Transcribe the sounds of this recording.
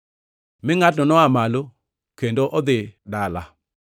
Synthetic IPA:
mɪŋatnɔnɔamalo | kendoʔɔd̪ɪdala

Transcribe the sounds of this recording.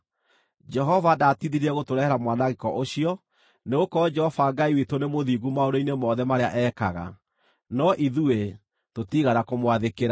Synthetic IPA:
d͡ʒɛɦɔvadatiðiɾiɾɛɣotoɾɛhɛɾamwanaɣekɔʔoɕiɔ | neɣokɔd͡ʒɛɔvaɡaiwitonemoðiɣumaoɾoinemɔðɛmaɾeaʔɛkaɣa̰ | nɔʔiðue | totiɣanakomwaðekeɾa

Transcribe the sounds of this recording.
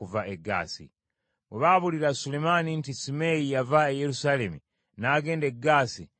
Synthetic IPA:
uvaeɡa̰ːsḭ | weβaβuliɾasulemanintisimejijavaejeɾusale̞mi | naɡe̞ːndeɡaːsi

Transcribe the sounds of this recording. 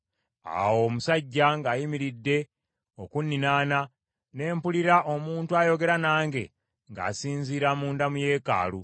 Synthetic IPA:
a̰wo̞musaɟːaŋɡaːjimiɾidːe̞ | o̞kunːinaːna | ne̞ːmpuliɾaʔo̞muːntuajo̞ɡe̞ɾanaːŋɡe̞ | ŋɡa̰ːsiːnziːɾamuːndamuje̞ːka̰ːlu

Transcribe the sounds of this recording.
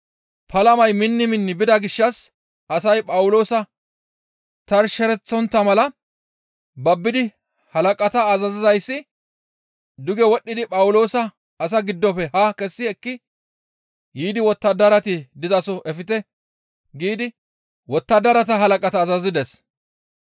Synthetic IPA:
pɐlɐmɐjmɪnːɪmɪnːɪbɪd̪ɐɡɪʃːɐs | ʔɐsɐjpʼɐwʊlo̞ːsɐ | t̪ɐɾʃɛɾɛt͡sːɔnt̪ːɐmɐlɐ | bɐbːɪd̪ɪ | hɐlɐkʼɐt̪ɐːzɐzɪzɐjsːɪ | d̪ʊɡɛwɔɗːɪd̪ɪpʼɐwʊlo̞ːsɐː | s̬ɐɡɪd̪ːɔpɛhɐkɛsːɪɛkːɪ | jiːd̪ɪwɔt̪ːɐd̪ɐɾɐt̪ɪd̪ɪzɐsɔʔɛfɪt̪ɛ | ɡiːd̪ɪ | wɔt̪ːɐd̪ɐɾɐt̪ɐɦɐlɐkʼɐt̪ɐːzɐzɪd̪ɛs

